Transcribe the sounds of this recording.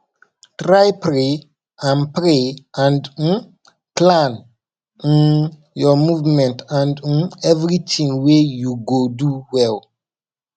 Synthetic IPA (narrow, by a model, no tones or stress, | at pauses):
tɾajpɾe | ãnpɾeãndn | klãn | in | jɔmuvmɛ̃ntãndnɛvɾitʰĩŋwejuɡoduwɛl